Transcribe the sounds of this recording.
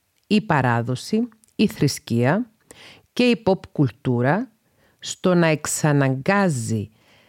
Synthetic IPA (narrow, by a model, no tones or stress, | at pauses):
ipɐɾɐðo̞siː | θɾisciɐ | ce̞ipo̞pkult̪uɾɐ | st̪o̞nɐe̞ksɐnɐŋɡɐzi